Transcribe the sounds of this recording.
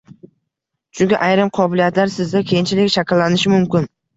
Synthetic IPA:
t͡ʃʰʊkʲɪʔajɾɪmqʰɒbɪlijat̪laɾsɪzd̪akʲʰejɪnt͡ʃʰɪlɪkʲʃakʲɪlːanɪʃɪmʊmkʲɪn

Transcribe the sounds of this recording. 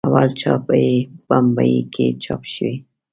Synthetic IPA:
awalt͡ʃʰɑpajeb̥ambajikʰet͡ʃɑpʃəwi

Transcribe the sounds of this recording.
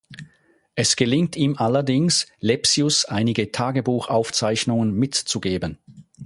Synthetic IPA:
ʔɛsɡ̥əlɪŋtʰiːmʔalɐdɪŋslɛpsiʊsʔaɪnɪɡətʰaːɡəbuːxʔaʊft͡saɪçnʊŋənmɪtt͡suɡeːbən

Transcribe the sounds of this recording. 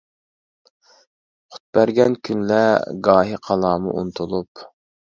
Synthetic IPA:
χʰʊ̥t̪̚b̥æɾɡʲɛnkʲʰynlɛɡɑːɦiqʰɑlˠɑːmṵʔṵnt̪ʰulˠup

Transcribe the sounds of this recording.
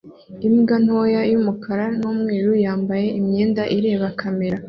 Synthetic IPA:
imɡan̥ho̞ːjajumukʰaɾan̥uːmŋeːɾujaːmbaje̞ʔimɲeːndaʔiɾe̞ːβakʰame̞ɾa

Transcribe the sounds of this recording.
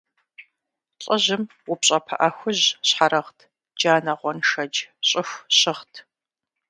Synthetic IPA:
ɬʼɐʑɪm | wʊpɕʼɐpʰɐ̰ʔɐxʷʊʑɕħaɾɐχtʰ | d͡ʒaːnɐʁʷɔnʂɐd͡ʒɕʼɪxʷɕɪχtʰ

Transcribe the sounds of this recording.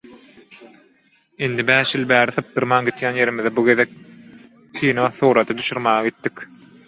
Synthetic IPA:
ind̪ibæːʃjilˠbæːɾiθɯp̚d̪ɯɾmɑːŋɡit̪jæːnje̞ɾimiðebuɡe̞ðek̚ | tʰiːnɑθuːɾɑd̪ɑd̪uʃuɾmɑːʁɑɡit̪ːikʲ

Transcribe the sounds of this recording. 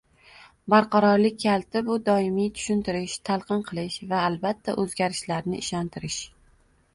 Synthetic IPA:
baɾqʰɑɾɒɾlɪk̚ʲʰːalˠt̪ʰɪbʊd̪ɒɪmijt̪ʰʊ̥ʃɪnt̪ɪɾɪʃt̪ʰalˠqɨnqʰɨlˠɪʃvaːlˠbat̪ʰːaʔɵzɡʲaɾɪʃlaɾnɪ̰ʔɪʃɒnt̪ʰɪɾɪʃ

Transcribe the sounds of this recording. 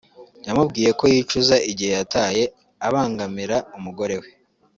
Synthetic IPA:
jamubɡiːje̞ko̞jiːt͡ʃuzaʔiɟihejataːje̞ | aβaːŋɡamiɾaumuɡo̞ɾe̞we̞

